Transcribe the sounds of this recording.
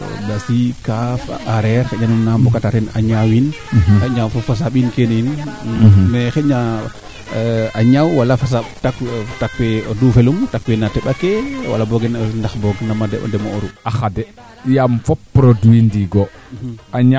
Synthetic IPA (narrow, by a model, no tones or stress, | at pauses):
dasikafaʔaɾɛɾxɛɲanumnambɔkataɾɛna̰ɲawin | xɛɲawfɔfas̬aɓinkenin | mɛxɛɲa | aɲawwalafas̬aɓtaktakwɛɔdufɛlumtakwenatɛɓakewa̰labɔɡɛnndaxbɔɡnamadɛɔ̰dɛmooɾuaxadɛ | jamfɔpːɾoduindiɡɔ | aɲ